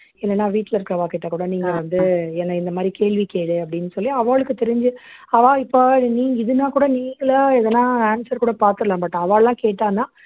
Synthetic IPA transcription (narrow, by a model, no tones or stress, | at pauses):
ɪlːɛnːaːʋiːʈːlɐɪɾɯkːɐʋaːkeːʈːakːuːɽɐniːŋɡɐʋɐnd̪ɯɛnːɐɪnd̪ɐmaːd̪ɾikeːɭʋikeːɽɯɐpːɐɽɪnːɯsɔlːɪjaɐʋaːɭɯkːɯt̪ɛɾɪɲd͡ʒɯɐʋaːɪpːoːniːɪðɯnːãːkuːɽɐniːŋɡɐɭɐɛðɛnːãːaːnsɐɾkuːɽɐpaːɾt̪ɯɾɐlãːmbɐʈːɐʋaːɭlãːkeːʈːaːnaː